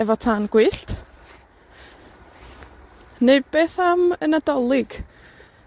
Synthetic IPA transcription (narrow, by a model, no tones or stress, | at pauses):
ɛvɔtʰaːnɡ̥wɨːɬt | neɨd̚b̥eːθamənadɔlˠɪɡ̥